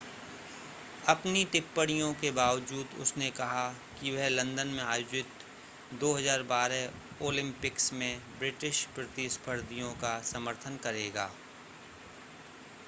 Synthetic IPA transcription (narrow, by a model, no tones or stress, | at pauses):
ɐpniʈ̪ɪpːəɽijõkebaːʋd͡ʒuːd̪ʊ̰snekɐɦa | kiʋɛɦlɐ̃nd̪ənmẽaːjoːd͡ʒɪt̪ | d̪oːɦɐzaːɾbaːɾɛ | oːlɪ̃mpɪksmẽbɾɪʈɪʃpɾɐt̪ispʰəɾd̪ijõkasɐməɾt̪ʰənkɐɾeːɡaː